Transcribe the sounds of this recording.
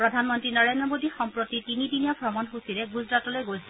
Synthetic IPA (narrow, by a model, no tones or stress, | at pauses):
pɹɔdʱanmɔntɹinɔɹendɹɔmodixɔmpɹotitinidinijabʱɹɔmɔnxusiɾɛɡuzɹatɔlojɡojsil